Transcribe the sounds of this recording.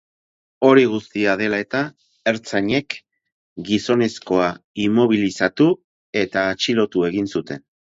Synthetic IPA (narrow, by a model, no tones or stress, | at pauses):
o̞ɾiɣ̞ust̪iað̞e̞lae̞t̪a | e̞ɾt͡saɲe̞k | ɡiso̞ne̞sko̞aimo̞β̞ilisat̪u | e̞t̪aːt͡ʃilo̞t̪ue̞ɣinsut̪e̞n